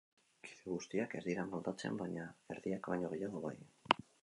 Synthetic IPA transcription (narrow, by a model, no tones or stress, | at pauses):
kʰi̥ðeɣust̪iake̞ɾðiɾamalt̪at͡sḛmbaɲae̞ɾðiakβajɲo̞ɣejaðoβa̰j